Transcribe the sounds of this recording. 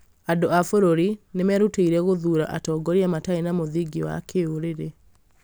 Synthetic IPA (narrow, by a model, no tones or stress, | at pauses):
adoafoɾoɾinemɛɾuteiɾɛɣoðuɾa̰ʔatɔːɡɔɾiamataenamoðiɡiɔwa̰kʰeoɾeɾe